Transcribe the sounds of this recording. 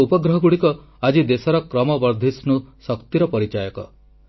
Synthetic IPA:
upɔɡɾɔɦɔɡuɽikɔ | ad͡ʒid̪esɔɾɔkɾɔmɔbɔɾd̪ʱisnusɔkt̪iɾɔpɔɾit͡ʃajɔkɔ̰

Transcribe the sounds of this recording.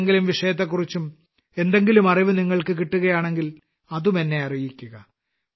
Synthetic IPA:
ŋɡilumʋiʂɐjɐt̪̬ːekːurit͡ɕːum | e̞nd̪e̞ŋɡilumɐriʋɨniŋːɐɭkɨkiʈːuɣɐjaːɳe̞ŋɡil | ɐðumenːe̞ɐrijikʲːuɣɐ

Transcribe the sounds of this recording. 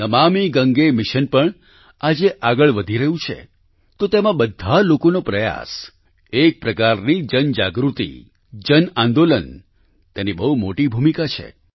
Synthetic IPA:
nəmamiɡəŋɡemɪʃənpəɳ | ad͡ʒeʔaɡəɭʋəd̪ʱiɾəɦũt͡ʃʰḛ | t̪ot̪emãɓəd̪ʱalokonopɾəja̰s | ek̚pɾəkaɾnid͡ʒənd͡ʒaɡɾut̪ḭ | d͡ʒənãnd̪olən | t̪enibəɦumoʈibʱumikat͡ʃʰḛ

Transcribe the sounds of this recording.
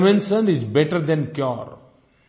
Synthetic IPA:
mẽnsə̃nɪzbɛʈəɾd̪ɛ̃nkjɔɾ

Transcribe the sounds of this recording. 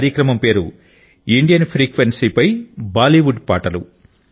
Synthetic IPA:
ɾjɐkɾɐmɐmpe̞ːɾṵ | iɳɖijɐnpʰɾiːkʋensiːpɐjbaːliʋuɖpaːʈɐlṵ

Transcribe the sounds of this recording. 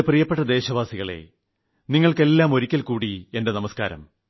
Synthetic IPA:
prijɐpːe̞ʈːɐd̪e̞ːɕɐʋaːsiɣɐɭe̞̰ | niŋːɐɭke̞lːaːmo̞ɾikʲːɐlkuːɽie̞nde̞nɐmɐskaːɾɐ̰m

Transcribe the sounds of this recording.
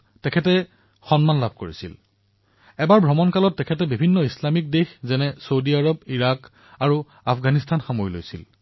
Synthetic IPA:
tɛkʰɛtɛ | xɔnmanlabʱkoɹisḭl | ɛbaɹbʱɹɔmɔnkalɔtːɛkʰɛtɛbibʱinːɔislamik̚dexzɛnɛsowdiaɹɔbiɹak | aɹu | apʰɡanistʰanxamojlo̰jsil

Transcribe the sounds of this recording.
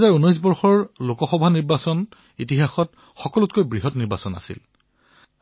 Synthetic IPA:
zaɹunɔjs̬bɔɹxɔɹlokɔxɔbʱaniɹbasɔn | it̬ixaxɔt | xɔkɔlutkojbɹiɦɔtniɹbasɔna̰sḭl

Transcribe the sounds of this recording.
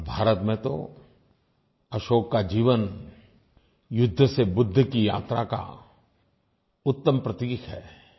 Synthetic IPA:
bʱaːɾət̪mẽt̪o̰ | ɐʃoːɡkad͡ʒiːʋən | jʊd̪ʱːsebʊd̪ʱːkija̰ːt̪ɾa̰ka̰ | ʊt̪ːəmpɾət̪iːkʰɦɛ̰ː

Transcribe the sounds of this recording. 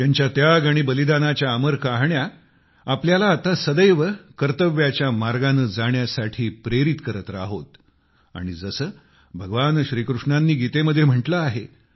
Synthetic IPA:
t̪jaɲt͡ɕjat̪jaɡaɽ̃ibəlid̪anat͡ɕjaːməɾkaɦɳja | apljalaːt̪asəd̪əjʋəkəɾt̪əʋjat͡ɕjamaɾɡanəd͡zaɳjasaʈʰiːpɾeɾit̪kəɾət̪ɾa̰ɦot̪ | a̰ɽ̃id͡zəsəː | bʱəɡəʋanɕɾiːkɾuʂɳanːiːɡit̪eməd̪ʱːjem̤əʈləaɦe

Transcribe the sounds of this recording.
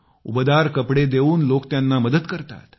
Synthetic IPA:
ṵbd̪aɾkəpɽed̪eʋuːnlokt̪janːaməd̪ət̪kəɾt̪a̰t̪

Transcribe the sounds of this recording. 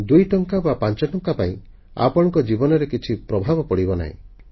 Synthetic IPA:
d̪ujʈɔŋkabapant͡ʃɔʈɔŋkapaĩ | a̰pɔɽɔŋkɔd͡ʒibɔnɔɾekit͡ʃʰipɾɔbʱabɔpɔɽibɔna̰ḭ̃

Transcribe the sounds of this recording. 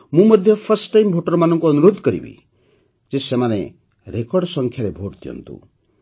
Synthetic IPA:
mũmɔd̪ʱjɔpʰʌɾsʈːajmbʱoʈɔɾɔmanɔŋkuɔnuɾod̪ʱɔkɔɾḭbḭ | d͡ʒesemane | ɾekɔɾɖsɔŋkʰjaɾebʱoɽt̪ʰijɔ̰nt̪ṵ̃

